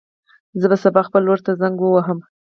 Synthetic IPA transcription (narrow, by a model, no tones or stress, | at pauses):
zəbasabɑxpəlwəɾt̪azaŋɡwəwaɦəm